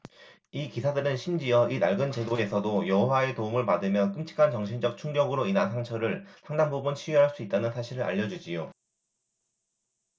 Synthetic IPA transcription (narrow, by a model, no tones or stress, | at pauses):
ikisʰadɯɾɯnɕʰimd͡ʑijʌinaɭɡɯnt͡ɕe̞ɡoe̞sʰʌdojʌɦowae̞toumɯɭpadɯmjʌnk͈ɯmt͡ɕʰi̥kʰant͡ɕʌŋɕʰind͡ʑʌk̚t͡ɕʰuŋɡjʌɡɯɾoinansʰaŋt͡ɕʰʌɾɯɭsʰaŋdaŋbobunt͡ɕʰiɥɦaɭs͈uit̚t͈anɯnsʰaɕʰiɾɯɾʔa̰ʎːʌd͡ʑud͡ʑijo